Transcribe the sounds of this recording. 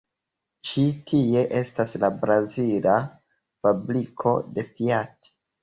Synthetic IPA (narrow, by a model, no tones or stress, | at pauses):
t͡ʃitʰie̞ʔe̞staslabɾazila | fabɾikʰo̞̰de̞fiati̥